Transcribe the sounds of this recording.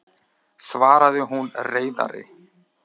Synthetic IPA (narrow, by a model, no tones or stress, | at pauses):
svaːɾaðɪɦunreːjða̰ɾɪ̰